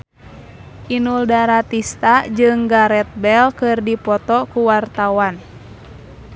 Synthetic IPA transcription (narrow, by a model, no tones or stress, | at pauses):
ʔinuldaɾat̪ist̪ad͡ʒɨŋɡaɾɛt̪̚bɛlkɨrdipɔt̪ɔkuwart̪awan